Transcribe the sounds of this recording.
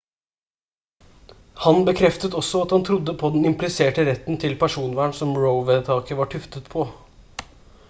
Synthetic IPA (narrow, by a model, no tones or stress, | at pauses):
hɑnbəkʰɾɛft̪ət̪ɔsːɔɑt̪hɑnt̪ʰɾʊd̪ːəpʰɔd̪ɛnɪmplɪseːʈəɾɛt̪ːn̩t̪ʰɪlpʰæʂuːnʋæːɳsɔmɹəʊʋɛt̪ʰɑːkəʋɑʈʰʉft̪ət̪pʰɔ